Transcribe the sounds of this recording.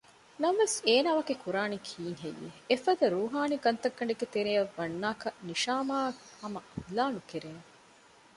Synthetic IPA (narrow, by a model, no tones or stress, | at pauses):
nɐmʋeseːnaːʋɐɡekuɾaːnikʰiːŋɦḛjːḛːfɐd̪ɐɾuːɦaːniɡɐnt̪ɐɡːɐɳɖeɡet̪eɾejɐʋːɐnːaːkɐniʃaːmaːhɐmɐʔɐhlaːnukeɾeŋe